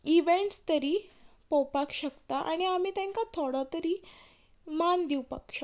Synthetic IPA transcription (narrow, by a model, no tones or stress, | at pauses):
iʋeɳʈst̪əɾiːpowpakɕəkt̪aʔa̰ɽ̃iam̤iːt̪jɛ̃ŋkat̪ʰoɽat̪əɾiː | mand̪iwpa̰kɕə